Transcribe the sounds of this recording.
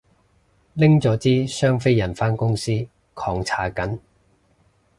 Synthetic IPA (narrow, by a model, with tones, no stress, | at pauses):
lɪ˥ŋt͡sɔː˨˥t͡siː˥sœː˥ŋfe˥jɐ˨˩nfaː˥nkʊ˥ŋsiː˥ | kʰɔː˨˧ŋt͡sʰaː˨˥kɐ˨˥n